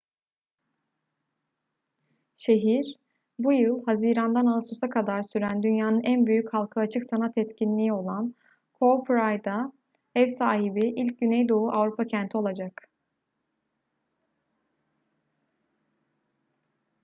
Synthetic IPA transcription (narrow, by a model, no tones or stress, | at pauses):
ʃe̞ɦiɾ | bujɯlˠhaziːɾand̪analˠɯsusakʰad̪aɾsyɾænd̪ynjaːnɯnʔænbyjychalˠkʰɯat͡ʃʰɯksanat̪ʰɛt̪cinlʲiːio̞lˠan | kʰo̞pɾajd̪a | ɛvsaːɦibiʔilʲc̚ɟynɛjd̪o̞uʔavɾupʰacʰænt̪ʰio̞lˠad͡ʒak